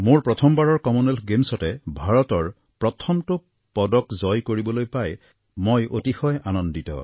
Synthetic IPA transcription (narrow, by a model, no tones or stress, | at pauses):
moɹpɹɔtʰɔmbaɹɔɹkɔmunɛlɡemsɔtɛbʱaɹɔtɔɹ | pɹɔtʰɔmtʊ | pɔdɔkzɔjkoɹibɔlojpaj | mojʔo̰tixɔjanɔnditɔ̰